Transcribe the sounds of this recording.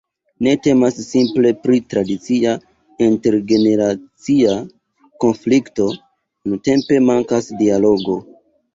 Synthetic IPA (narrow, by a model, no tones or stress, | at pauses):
ne̞te̞masːimple̞pɾitɾadit͡sia | inte̞ɾɡe̞ne̞ɾat͡sia | ko̞nflikto̞ | unute̞mpe̞maŋkasdialo̞ɡo̞